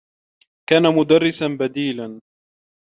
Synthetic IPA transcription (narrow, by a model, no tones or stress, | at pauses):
kaːnamʊd̪arːɪsanbad̪iːlan